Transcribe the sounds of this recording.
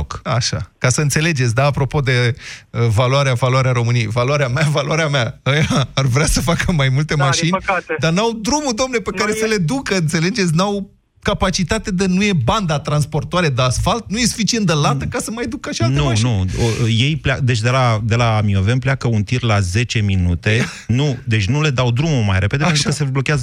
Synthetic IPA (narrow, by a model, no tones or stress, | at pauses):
kaʃa̰kasəɨnt̪se̞le̞d͡ʒe̞t̪s̬ʲd̪aːpɾo̞po̞d̪e̞əvaluaɾeavaluaɾeaɾo̞mɨnijejvaloaɾeameavaluaɾeameaəjaːrvɾeasəfakəmajmult̪e̞maʃinʲkad̪arnawd̪ɾumud̪oamnepekaɾe̞səle̞d̪ukəɨnt̪se̞le̞d͡ʒe̞t̪sʲnaw | kapat͡ʃit̪at̪ed̪enuje̞band̪at̪ɾanspo̞rt̪oaɾe̞d̪easfalt̪̚nuje̞su̥fit͡ʃient̪d̪əlat̪əkasəmajd̪ukəʃialneumnuje̞jplead̪e̞t͡ʃʲd̪e̞lad̪e̞laːmio̞ve̞npleakəunt̪irlaze̞t͡ʃe̞minut̪e̞ | nud̪e̞t͡ʃʲnule̞d̪awd̪ɾumuma̰jɾe̞ped̪eeeɾukəseblo̞kʲeazə